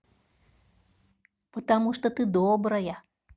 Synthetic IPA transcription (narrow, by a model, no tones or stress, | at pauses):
pət̪amuʂt̪ɔt̪ɨd̪ɔbɾɐjɐ